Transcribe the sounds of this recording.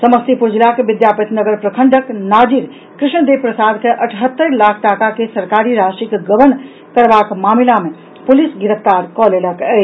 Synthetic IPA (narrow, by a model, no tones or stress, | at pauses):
səməst̪ipuɾd͡ʒilakʋɪd̪japit̪nəɡəɾpɾəkʰəɳɖəknad͡ʒiɾ | kɾɪʃɳəd̪eʋpɾəsad̪keʔəʈʰɦət̪ːəɾlakʰʈakakesəɾkaɾiɾasikɡəʋən | kəɾbakmamilamẽ | pulisɡɪɾəpʰt̪aɾkɔleləkə